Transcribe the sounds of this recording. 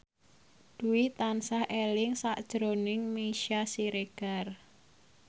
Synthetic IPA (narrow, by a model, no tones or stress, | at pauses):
d̪̥uwit̪ansahelɪŋsaʔd̥ʒ̥ɾonɪŋmeʃasiɾeɡ̥ar